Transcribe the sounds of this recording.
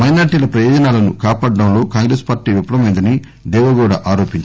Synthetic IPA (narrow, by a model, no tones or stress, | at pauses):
mɐjnaːɾʈiːlɐpɾɐjɔːd͡ʒɐnaːlɐnṵkaːpaːɖːɐmloːkaːŋɡɾeːspaːɾʈiːʋipɐɽɐmɐjnd̪ɐni | d̪ɛːʋɐɡoːɽaːʔaːɾo̞ːpiɲt͡ʃ